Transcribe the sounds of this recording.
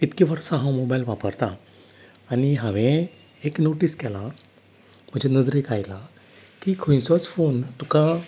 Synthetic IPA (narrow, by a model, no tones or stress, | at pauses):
it̪kiʋəɾsãɦãwmobajlʋapəɾt̪aː | ñiɦãʋẽ | eknoʈiskɛla | m̤əd͡ʑenəd͡zɾekajla | kiːkʰəj̃nsɔt͡sfont̪uka